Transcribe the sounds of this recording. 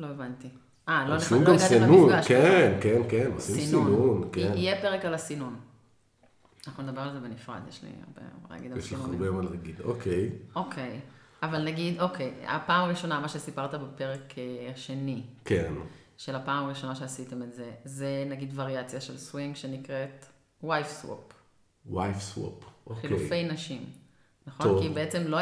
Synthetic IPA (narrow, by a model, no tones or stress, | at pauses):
lo̞evanti | ʔalonesiunɡamɡasinunɡakenkenkenosimisniununkenijepeʁekalasinun | anaχnuned̪abe̞ʁlalze̞benifʁa̰d̪jḛʃlḭa̰ʁbḛa̰a̰ɡid̪alʃiχbejomalaaɡid̪okʰejo̞kʰe̞javalnaɡid̪o̞kʰeja̰paːmaʁiʃo̞namaʃe̞sipaʁt̪abepe̞ʁekeʃe̞nikʰen | ʃe̞lapaːmmaʁiʃo̞naʃe̞asite̞metze̞zenaɡid̪vaʁiat͡sjaʃelswiŋɡʃe̞nikʁet | wajfswo̰p | wajfswo̰poxilufejnaʃim | naχonokibeet͡se̞mlo